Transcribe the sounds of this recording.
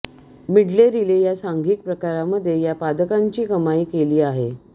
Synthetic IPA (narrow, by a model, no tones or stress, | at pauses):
miɽleɾilejasaŋɡiːk̚pɾəkaɾaməd̪ʱːjejapad̪əkaɲt͡ɕiːkəmaiːkeliːaɦe